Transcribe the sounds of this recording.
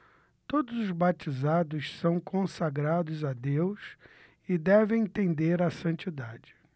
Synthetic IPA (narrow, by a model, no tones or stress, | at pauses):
t̪od̪ʊzʊzbat͡ʃizad̪ʊssɐ̃w̃kõsaɡɾad̪ʊzad̪ews | ɪd̪ɛvẽj̃t̪ẽnd̪eɾɐsɐ̃nt͡ʃid̪ad͡ʒɪ̥